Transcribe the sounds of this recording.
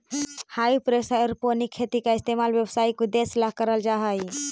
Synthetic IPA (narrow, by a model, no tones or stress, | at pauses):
haipɾesaɔɾponikʰːet̪ikaist̪emalbjebsaikid̪eslakəɾəld͡ʒaɦəj